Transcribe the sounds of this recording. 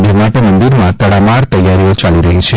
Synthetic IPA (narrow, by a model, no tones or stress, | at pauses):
d͡ʒemaʈemənd̪iɾmãt̪əɽamaɾt̪əjːaɾiot͡ʃaliɾəɦit͡ʃʰe